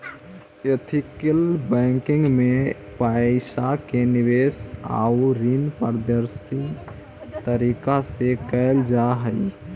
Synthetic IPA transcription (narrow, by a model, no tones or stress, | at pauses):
jət̪ʰikəlbɛŋkĩŋɡme | paɪsakeniʋesa̰uɾinpəɾd̪əɾsi | t̪əɾikasekəɪld͡ʒaɦə